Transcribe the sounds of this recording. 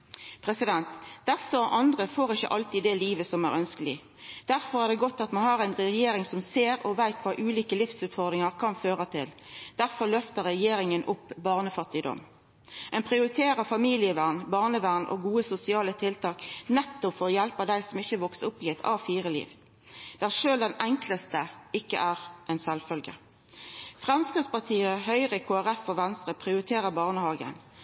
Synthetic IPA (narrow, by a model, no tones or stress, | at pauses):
pʰɾɛsɪd̪ɛnt̪d̪æʁsɔʔɑnd̪ʁəfoːʁɪçːə̰ʔɑlt̪iːd̪ɛːliːʋəsɔmæ̰ʁœnskəlɪ | d̪̥æʁfɔʁæʁd̪ɛːɡɔt̪ːɑt̪mɑnhɑʁæɪnʁɛjeːɾɪŋsɔmseːʁɔʋæɪt̪ʋɑːʔʉːliːkəlɪfsʉːt̪fɔʁd̪ʁɪŋɑʁkʰɑnføːʁət̪ʰɪld̪̥æʁfɔʁlœft̪əʁɾɛjeːɾɪŋənʔʊpːbɑːʁnəfɑt̪ːɪd̪ɔ̰m | ɛɪnpʰʁɪʊɾɪt̪ʰeːʁəfɑmiːlɪəʋæʁnbɑːʁnəʋæʁnʔɔ̰ɡuːəsʊsɪɑːlət̪ʰɪlt̪ʰɑːknɛt̪ːʊpfɔʁɔjælpəd̪æɪsɔmɪçəʋɔksəʊpːiːɛt̪ʰɑ̰ːfiːʁəlḭːʋ | d̪̥ææːʁʂøːld̪ɛnæŋkləst̪əɪkːə̰ʔæːʁʔɛnsɛlfœlɡə̰ | fʁɛmskʁɪd̪spɑʁt̪ʰiːəhœʏʁəkʰoːæʁɛfɔʋɛnst̪ʁəpʰʁɪʊɾɪt̪ʰeːʁəbɑːʁnəhɑːɡə̰n